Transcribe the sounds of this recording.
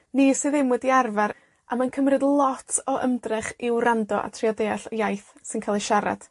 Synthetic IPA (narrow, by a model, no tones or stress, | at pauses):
nisɨðɪmwɛdiarvaɾ | amankʰəmrɨdlˠɔtʰɔʔəmdrɪχɪwrandɔʔa̰tʰriɔdeːaɬəjajθsɨnkʰalˠəʃaɾa̰d̥